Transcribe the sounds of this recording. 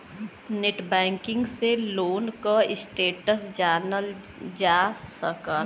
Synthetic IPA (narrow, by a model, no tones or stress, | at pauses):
neʈbɛ̃ːŋkɪ̃ŋɡseloːnkaɪsʈeːʈəsd͡ʒaːnəl | d͡ʒaːsəkə